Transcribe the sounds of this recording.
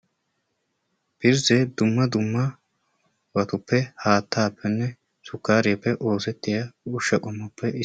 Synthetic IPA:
b̥ɪɾzɛd̪ʊmːɐd̪ʊmːɐ | wɐt̪ʊpːɛhaːt̪ːaːpʰːɛnːɛ | sʊkːaːɾɪjɐpːɛʔo̞ːsɛt̪ːɪjɐʊʃːɐkʼʊmːʊpʰːɛɪ

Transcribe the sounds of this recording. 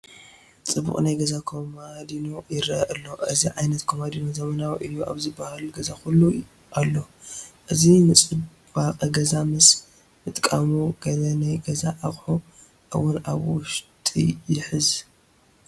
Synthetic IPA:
t͡sʼɨbṵχʼnajɡɐzakʰomad̪ino̞jɪɾɐ̰ʔɨlːo̞ʔɨziʕajnɐt̪kʰomad̪inozɐmɐnawiʔɨjːuʔa̰βzɨbːahalɡɐzakulːu | ʔalːo̞ | ʔɨzinɨt͡sʼɨ | bakʼɡɐzamɨs | mɨt̪ʼkʼamuɡ̥ɐlɐnajɡɐzaʔaχʼħu | ʔɨwʊnaβwʊʃt̪ʼḭjɪħɨz

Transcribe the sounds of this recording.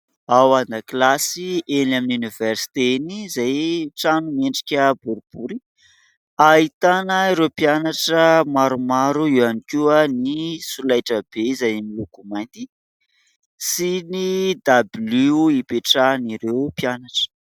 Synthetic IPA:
awanaklasienaminuniversi̥t̪enizajʈ͡ʂanumeɳɖ͡ʐi̥kʲəbuɾib̥uɾi | ait̪anəiɾewpianaʈ͡ʂəmaɾumaɾuiwanikʲuənisulajʈ͡ʂəbeizajmilukumajnt̪i | sinid̪abluipeʈ͡ʂaniɾewpianaʈ͡ʂə̥

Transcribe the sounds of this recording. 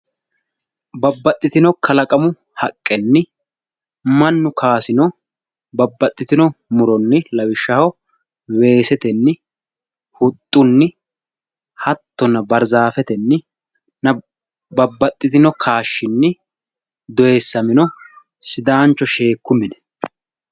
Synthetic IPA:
bɐbːɐt̪ʼːɪt̪ɪnɔkʰɐlɐkʼɐmʊ | hɐkʼːɛnːɪ | mɐnːʊkʰaːsɪnɔ | bɐbːɐt̪ʼːɪt̪ɪnɔmʊɾɔnːɪlɐwɪʃːɐhɔ | we̞ːsɛt̪ɛnːɪ | hʊt̪ʼːʊnːɪ | hɐt̪ːɔnɐbɐɾzaːfɛt̪ɛnːɪ | nɐ | bɐbːɐt̪ʼːɪt̪ɪnɔkʰaːʃːɪnːɪ | d̪ɔʔesːɐmɪnɔ | sɪd̪aːnt͡ʃːɔʃe̞ːkːʊmɪnɛ

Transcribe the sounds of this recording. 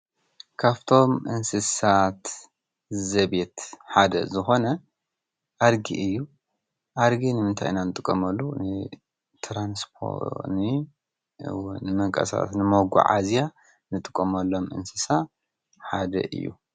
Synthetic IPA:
kʰaβt̪ʰo̞mʔɨnsɨsat̪ | zɐbe̞t̪ħad̪ɐ̰zɨxo̞nɐ | ʔaɾɡḭʔɨjːu | ʔaɾɡinɨmɨnt̪ʰa̰jnanɨt̪ʼɨkʼːɐmɐlːunɨ | t̪ʰɾanspʰo̰nɨ | nɨmɨŋkʼɐ̰sa̰t̪nɨmoɡṵʕa̰zja | nɨt̪ʼɨkʼːɐmɐlːo̞mʔɨ̰nsɨsa | ħad̪ɐ̰ʔɨ̰jːṵ

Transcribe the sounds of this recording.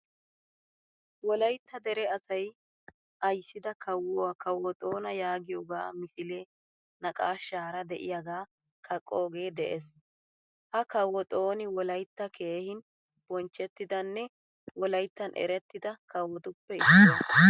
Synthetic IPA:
wɔlɐjt̪ːɐd̪ɛɾɛɐsɐj | ʔɐjsːɪd̪ɐkɐwːɔwakɐwɔt̪ʼo̞ːnɐjaːɡɪjoːɡa̰ːmɪsɪleː | nɐkʼa̰ːʃaːɾɐd̪ɛʔɪ̰jaɡaː | kʰɐkʼːo̞ːɡe̞ːd̪ɛʔes | hɐkɐwɔt̪ʼo̞ːnɪwɔlɐjt̪ːɐkʰe̞ːhɪn | b̥ɔnt͡ʃːɛt̪ːɪd̪ɐnːɛ | wɔlɐjt̪ːɐnʔɛ̰ɾɛt̪ːɪd̪ɐkɐwːɔt̪ʊpːɛɪ

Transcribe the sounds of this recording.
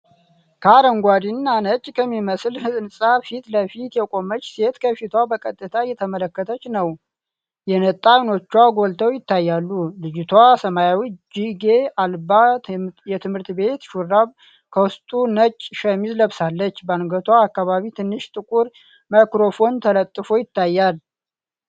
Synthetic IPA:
kʰaɾəŋɡʷad̪inːanət͡ʃʼːkʰəmːiməslhɨɨnsʼafit̪ləfit̪jɛkʼo̞mət͡ʃːse̞t̪kʰəfit̪ʰwabəkʼət̪ʼːɨt̪ʰajɛt̪ʰəmələkːət̪ʰət͡ʃːnəw | jɛnət̪ʼːawno̞t͡ʃːwaɡo̞lt̪ʰəwjɪt̪ːajːalːulɨd͡ʒɪt̪ʰwasəmajawid͡ʒiɡe̞albajɛt̪ʰɨmhɨɾt̪be̞t̪ʃuraβ | kʰəwʊst̪ʼunət͡ʃʼːʃəmizləβsalːət͡ʃːbəanɡət̪ʰwaːkːaβaβit̪ʰɨnːɨʃt̪ʼɨkʼuɾ | makɾo̞fo̞nt̪ʰələt̪ʼːɨfojɪt̪ːajːal

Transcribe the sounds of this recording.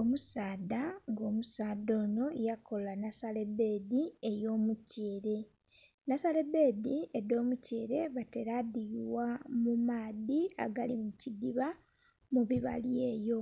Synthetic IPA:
o̞musaːdaŋɡo̞ːmusaːdo̞ːno̞jako̞lanasale̞be̞ːdie̞jo̞ːmuceːɾe̞ | nasale̞be̞ːdiedo̞ːmuceːɾe̞βate̞ɾadijwamumaːdia̰ɡalimucidiβa | muβiβa̰lje̞ːjo̞

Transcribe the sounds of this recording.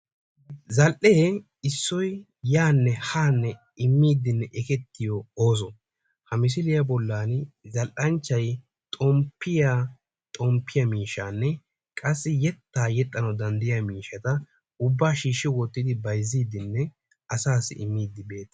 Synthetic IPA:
zɐlʔeː | ɪsːɔj | jaːnːɛhaːnːɛ | ɪmːiːd̪ɪnːɛʔɛkɛt̪ːɪjɔoːs̬ɔ | hɐmɪs̬ɪlɪjɐbɔlːaːnzɐlʔɐnt͡ʃːɐj | t̪ʼɔmpːɪja | t̪ʼɔmpːɪjɐmiːʃaːnːɛ | kʼɐsːɪjɛt̪ːaːjɛt̪ʼːɐnɐwd̪ɐnd̪ɪjamiːʃɐt̪ɐ | ʊbːaːʃiːʃːɪwɔt̪ːɪd̪ɪbɐjziːd̪ɪnːɛ | ɐsaːsːɪ̰ʔɪmːiːd̪ːɪbe̞ːt̪ɐ̥

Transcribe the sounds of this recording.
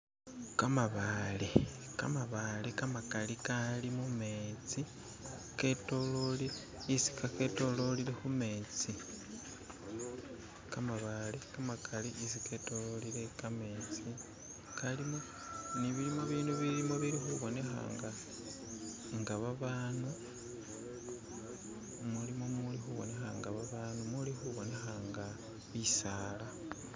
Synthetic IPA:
kamaβale | ka̰maβalekamakalikalimumet͡si | ke̞to̞loliɾe | isi̥kake̞to̞lo̞lile̞xume̞t͡si | kamaβalekamakʰaliʔis̬ike̞to̞lolile̞kame̞t͡si | kalimo̞ | niβiɾimoβiːnduβiɾimoβiɾixuβo̞ne̞xa̰ŋɡa | ŋɡaβaβaːnu | mulimomulixuβo̞ne̞xaŋɡaβaβanumulixuβo̞ne̞xaŋɡa | βisaːla

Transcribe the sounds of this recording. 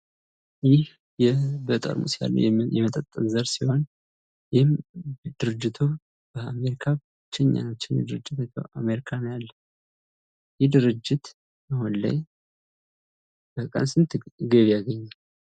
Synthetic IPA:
jɪh | jɛbət̪ʼə̰ɾmṵsija̰lːə̰jjɛmət̪ʼət̪ʼːənzəɾsiho̞n | jɪhɪmd̪ɨɾɨd͡ʒːɪt̪ʰu | b̥əame̞ɾikʰa | t͡ʃːɛɲːa̰nat͡ʃːɪnjɛ̰d̪ɨɾɨd͡ʒːɪt̪ameɾikʰanjalːə | jɪhd̪ɨɾɨd͡ʒːɪt̪ | ahonla̰j | b̥əkʼə̰nsɨnt̪ʰɡəβijaɡəɲːa

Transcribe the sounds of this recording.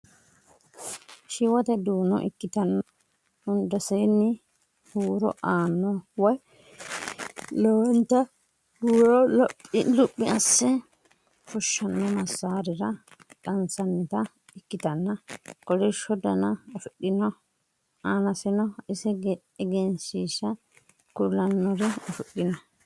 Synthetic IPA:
ʃɪwɔt̪ɛd̪uːnːɔ̰ʔɪ̰kːɪt̪ɐnːɐ | hʊnd̪ɐsɛnːɪ | huːɾɔ̰ʔaːnːɔwɔj | lɔwɛnt̪ːɐ | huːɾɔlɔpʼːlʊpʼːɪɐsːɛ | fɔʃːɐnːɔmɐsːaːɾɪɾɐ | kʼɐnsɐnːɪt̪ɐ | ɪkːɪt̪ɐnːɐkɔɾɛʃɔd̪ɐnɐɐfʊɗːɪnɔ | aːnɐsɪnɔɪsɛɡ | ɛɡɛnsiːʃɐ | kʊlːɐnːɔɾɛɐfʊɗːɪnɔ

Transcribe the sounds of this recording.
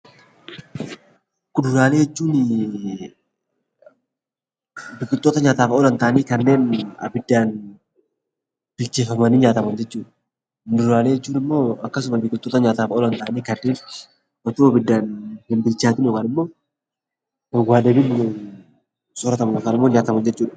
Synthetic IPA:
kʊdʊɾaːleːɛt͡ʃːuːnɪ | bɪkʼɪt̪ːoːt̪ɐɲaːt̪aːfɐɔlɐnt̪aːniːkɐnːeːnɐ̰bɪd̪ːaːn | b̥ɪlt͡ʃeːfɐmɐniːɲaːt̪ɐmɐɲd͡ʒɛt͡ʃːuː | ndʊɾaːleːɛt͡ʃːuːnɪmːo̞ːɐkːɐs̬ʊmɐbɪkɪlt̪ːoːt̪ɐɲaːt̪aːfɐɔlɐnt̪aːniːkɐnːeːn | ɔt̪uɐbɪd̪ːaːnhɪmbɪlt͡ʃaːt̪ɪnokɐnɪmːo̞ː | waːd̪ɐbɪnːɪmo | sɔɾɐt̪ɐmɐnɔkɐnɪmːoːɲaːt̪ɐmɐnd͡ʒɛt͡ʃːuːᶑɐ̥

